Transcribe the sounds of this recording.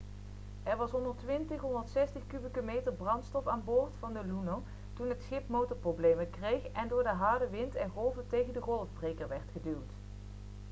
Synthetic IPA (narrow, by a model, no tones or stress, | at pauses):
ʔɛɹʋɑsɦɔndəɹtʋɪntəχɦɔndəɹtsɛstəχkyləkomejtəɹbrɑntstɔfaːnboːɹtfɑndəluno | tunɦətsχɪpmowtɔɹprowblejməkrejχɛndʊːɹdəɦaːɹdəʋɪntɛnχɔlˠvətejχəndəχɔlˠvbrejkəɹʋɛɹtχədywt